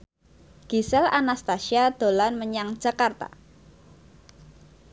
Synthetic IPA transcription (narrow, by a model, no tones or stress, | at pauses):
ɡ̥isɛlanast̪asiad̪̥o̤lanməɲaŋd͡ʒ̥a̤kart̪a̰